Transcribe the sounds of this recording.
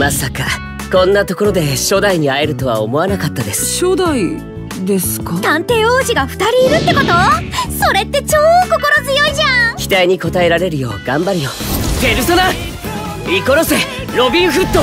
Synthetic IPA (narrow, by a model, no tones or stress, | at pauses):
masaka | kõ̞nːat̪o̞ko̞ɾo̞d̪e̞ɕo̞ːd̪aiɲ̟iae̞ɾɯ̟t̪o̞βa̰omo̞βanakat̪ːad̪e̞sɨ̥ɕod̪ai | d̪e̞sɨ̥kat̪ãnt̪e̞ːoːʑiɡaɸɯ̟̥t̪aɾʲiːɾɯ̟t̪ːe̞ko̞t̪oso̞ɾe̞t̪ːe̞t͡ɕoːko̞ko̞ɾozɨjo̞iʑãkʲi̥t̪aiɲ̟iko̞t̪ae̞ɾaɾe̞ɾɯ̟jo̞ːɡ̥ãmbaɾɯjo | t̪eɾɯsona | iko̞ɾo̞se | ɾo̞bʲiɦɯ̟t̪ːo